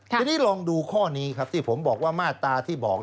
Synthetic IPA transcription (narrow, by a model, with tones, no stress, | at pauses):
niː˦˥lɔː˧ŋduː˧kʰɔː˥˩ni˦˥kʰa˦˥p̚t̪ʰiː˥˩pʰo˩˦mbɔː˨˩k̚waː˥˩maː˥˩t̪ːaː˧t̪ʰiː˥˩bɔː˨˩k̚